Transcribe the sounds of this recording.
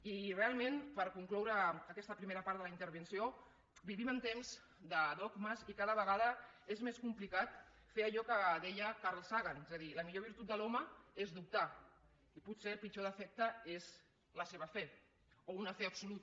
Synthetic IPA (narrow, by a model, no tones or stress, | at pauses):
irealˠmenpəɾkuŋklɔwɾəːkɛst̪əpɾimeɾəpaɾt̪ðəlint̪əɾβənsio | biβimənt̪emz̥ | d̪əðɔɡməzikaðəβəɣaðəezmeskumplikat̪̚ | feəʎɔkəðɛjəkaɾlˠsaɣanezəðiləmiʎoβ̞iɾt̪ut̪̚əlɔməezd̪up̚t̪a | iput̪selˠpit͡ʃoðəfɛk̚t̪əez | ləseβəfɛ | ounəfeəpsulut̪